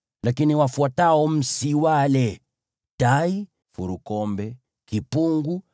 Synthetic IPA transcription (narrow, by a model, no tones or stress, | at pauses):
lakiniwafuataɔm̩siwalɛ | tai | fuɾukɔmbɛ | kipuŋɡu